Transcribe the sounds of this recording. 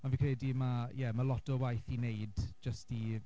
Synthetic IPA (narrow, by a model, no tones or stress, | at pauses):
ɔnvikrɛdimajɛmalɔtɔwajθineɨdd͡ʒəsti